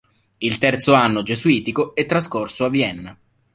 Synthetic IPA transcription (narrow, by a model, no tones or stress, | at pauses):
ilt̪ɛrt̪soanːod͡ʒesuiːt̪ikoɛt̪ːɾaskorsoavːiɛnːa